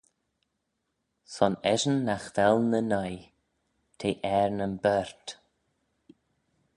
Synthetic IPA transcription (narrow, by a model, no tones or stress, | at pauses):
sɔnɛʒənːaxvɛlˠnənaj | t̪ʰeːʔɛɹnənbɛɹt